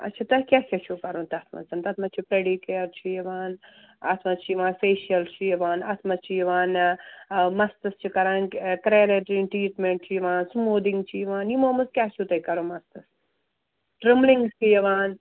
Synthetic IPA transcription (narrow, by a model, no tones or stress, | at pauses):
ɐ̰t͡ʃʰɐt̪ɐkʲaːkʰʲɐt͡ʃʰukɐɾõːnt̪ɐt̪ʰmɐ̰nzɐnt̪ɐt̪ʰmɐt͡ʃʰipɾeɖikeɐɾt͡ʃʰijɐʋaːn | ɐ̰t̪ʰmɐt͡ʃʰijiʋãːnfeːʃɐlt͡ʃʰijɐʋaːnɐt̪ʰmɐst͡ʃʰijɐʋaːn | mɐst̪ɐst͡ʃʰikɐɾaːnkkɾeːɾeʈɾinʈɾiːʈmeɳʈt͡ʃʰijiʋaːnsmoːd̪iŋɡt͡ʃʰijiʋaːnjimoːmɐskʲaːt͡ʃʰut̪ɐikɐɾoːmɐst̪ɐs | ʈɾemliŋɡst͡ʃʰijɐʋaːn